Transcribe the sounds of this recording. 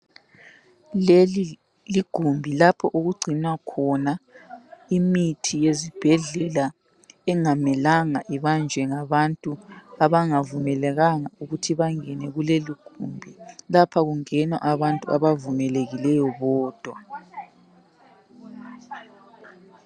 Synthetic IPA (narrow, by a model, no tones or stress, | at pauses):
lei | liɡ̥ʱumbʱilapʰɔʔuɣuɡ͡ǀʱinakʰɔna | imitʰijezib̥ʱɛɮɛla | ɛŋamɛlaŋaʔiβand͡ʒʱɛŋaβantʼuaβaŋavumɛlɛɣaŋauɣutʰiβaŋɛnɛɣuleliɡ̥ʱumbʱilapʰaɣuŋɛnwa̰ʔaβantʼua̰βavumɛleɣilɛjɔβɔːd̥ʱwa